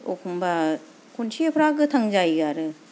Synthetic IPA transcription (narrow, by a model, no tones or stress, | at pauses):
okʰumba | kʰunt͡ʃʰiepʰɯɾaɡɯt̪ʰaŋd͡ʒajɡaɾɯ